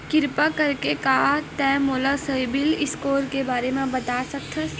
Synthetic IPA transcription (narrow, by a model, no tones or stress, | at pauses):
kɪɾpakɐɾkekaːt̪ɛ̃moːlasəibɪlɪskoːɾkebaːɾemẽbɐt̪aːsɐk̚t̪ʰɐs